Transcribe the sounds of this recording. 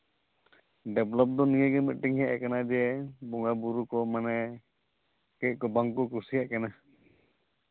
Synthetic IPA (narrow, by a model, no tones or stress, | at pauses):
ɖɛblɔp̚d̪ɔnijɛɡɛmɛt̪̚ˀʈiŋhɛʔɛkanad͡ʒɛbɔŋɡabuɾukɔmanɛ | kɛʔ̚ˀkɔbaŋkɔkuɾsijaʔkana